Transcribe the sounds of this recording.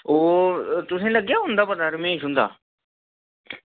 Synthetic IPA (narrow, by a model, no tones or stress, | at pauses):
oːt̪ʊsẽləɡjaɦʊ̃ːnd̪aːpɐd̪aːɾmẽsɦʊ̃ːn̆d̪a̰ː